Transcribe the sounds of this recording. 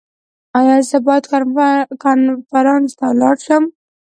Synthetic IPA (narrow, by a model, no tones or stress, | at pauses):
ɑjɑzabɑjd̪kkɑnfaɾɑnst̪awlɑɽʃəm